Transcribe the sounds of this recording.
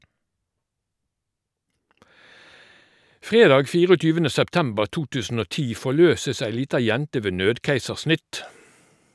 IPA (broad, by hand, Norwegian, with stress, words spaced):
ˈfʁeːdɑːɡ ˈfiːʁɔˌtyːʋənə sɛpˈtɛmbəʁ ˈtuː ˈtʉːsn̩ ˈoː ˈtiː fɔˈløːsəs ˈæɪ ˈliːtɑ ˈjɛntə ˈʋeː ˈnøːdkæɪsəʁˌsnɪt